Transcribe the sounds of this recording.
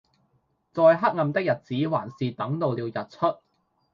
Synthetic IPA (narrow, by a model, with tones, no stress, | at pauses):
t͡sɔː˨˧jɦɐ˥k̚ŋɐ˨˧mt̪ɪ˥k̚jɐ˨t̚t͡siː˨˥wa̰ː˨˩nsiː˨t̪ɐ˨˥ŋt̪o˨wliː˨˧wjɐ˨t̚t͡ʃʰɵ˥t̚